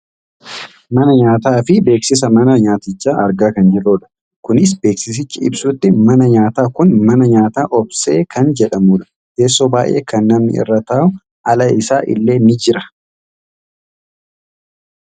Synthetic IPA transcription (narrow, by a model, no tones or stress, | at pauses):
mɐnɐɲaːt̪aːfɪbe̞ːksɪs̬ɐmɐnɐɲaːt̪ɪt͡ʃːaːʔɐɾɡaːkɐnd͡ʒɪɾoːᶑɐ̥ | kʊnɪs̬be̞ːksɪs̬ɪt͡ʃːɪɪ̰bsʊt̪ːɪmɐnɐɲaːt̪aːkʊnmɐnɐɲaːt̪aːʔɔbse̞ːkʰɐnd͡ʒɛᶑɐmuːᶑɐ̥ | keːsːoːbaːjʔe̞̰ːkɐnːɐmnɪ̰ɪ̰rːɐt̪aːʊ | ɐlɐɪsaːʔɪ̰lːe̞ːnɪd͡ʒɪɾɐ̥